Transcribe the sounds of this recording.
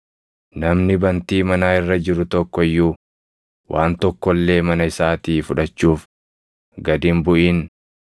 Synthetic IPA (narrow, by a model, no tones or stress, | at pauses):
nɐmnɪbɐnt̪iːmɐnaːɪrːɐd͡ʒɪɾʊt̪ɔkːɔɪjːuː | wʔaːnt̪ɔkːɔlːe̞ːmɐnɐɪsaːt̪iːfʊᶑɐt͡ʃːuːf | ɡɐd̪ɪmbʊʔiːn